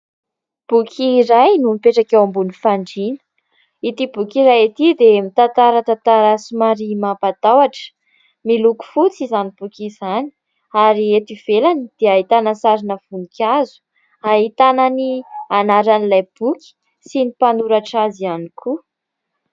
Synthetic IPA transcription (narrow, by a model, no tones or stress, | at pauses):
b̥ukʲʰiɾajnumipeʈ͡ʂakawambunifaɳɖ͡ʐinə̥ | it̪ibukiɾajat̪id̪emit̪ant̪aɾat̪at̪aɾasimaɾimapad̪awaʈ͡ʂə̥ | miluku̥fut͡sizanib̥ukʲizani̥ | aɾiet̪iv̥elanid̪̥eaɦit̪anəsaɾinəvunikʲazu̥ | aɦit̪ananianaɾanilajb̥ukʲi̥ | sinipanuɾaʈ͡ʂazianikʰu